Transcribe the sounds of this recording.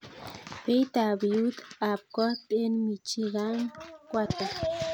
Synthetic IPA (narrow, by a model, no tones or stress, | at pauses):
pejt̪abjut̪ap̚kohpʼenmit͡ʃiɣaŋkʷat̪a